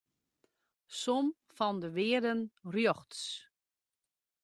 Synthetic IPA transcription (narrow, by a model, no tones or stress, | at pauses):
som | fɔndəʋɪːədənrjoxts